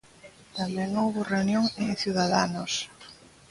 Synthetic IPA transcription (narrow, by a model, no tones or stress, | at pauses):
t̪amɛŋowβʊreunjoŋẽŋθjuðaðanʊs